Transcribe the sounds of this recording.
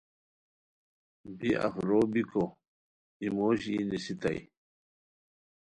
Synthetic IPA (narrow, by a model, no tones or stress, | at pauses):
biʔa̰fɾoːbiko | imoːɕinisit̪a̰j